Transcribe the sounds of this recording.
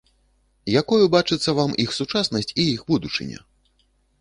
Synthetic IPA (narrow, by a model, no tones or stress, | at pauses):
jakɔjubat͡ʂɨt̪sːɐvamixsut͡ʂasnɐsʲt͡sʲijixbud̪ut͡ʂɨ̰nʲɛ̰